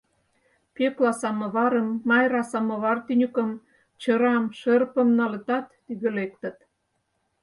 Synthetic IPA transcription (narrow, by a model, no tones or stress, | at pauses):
peklɑsɑmɤ̆βɑɾə̆mːɑjɾɑsɑmɤ̆βɑrt̪ynʲykə̆m | t͡ɕəɾɑmʃərpə̆mnɑlə̆t̪ɑt̪ːyɣølek̚t̪ə̆t̪